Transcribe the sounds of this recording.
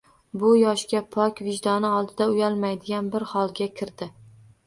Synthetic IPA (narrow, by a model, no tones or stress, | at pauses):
bʊjɒʃkʲapʰɒkʲvɪʒd̪ɒnɪɒlˠd̪ɪd̪aʊjalˠmajd̪ɪɡʲanbɪɾhɒlˠɡʲakʲʰɪɾd̪ɪ